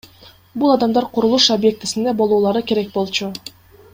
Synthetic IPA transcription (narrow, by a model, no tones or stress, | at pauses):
bulˠɑd̪ɑmd̪ɑɾqʰuɾulˠuʃobje̞k̚t̪i̥sind̪e̞bo̞lˠuːlˠɑɾɯkʲe̞ɾe̞k̚bo̞lˠt͡ʃu